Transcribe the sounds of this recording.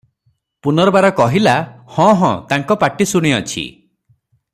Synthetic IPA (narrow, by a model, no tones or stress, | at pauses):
punɔɾɔbaɾɔkɔɦilahɔ̃ɦɔ̰̃t̪aŋkɔpaʈisuɽ̃iɔt͡ʃʰḭ